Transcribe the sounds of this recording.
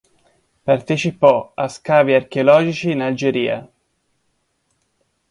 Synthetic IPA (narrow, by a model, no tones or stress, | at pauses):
part̪et͡ʃipɔaskaːviark̟eolɔːd͡ʒit͡ʃiːnald͡ʒeɾiːa̰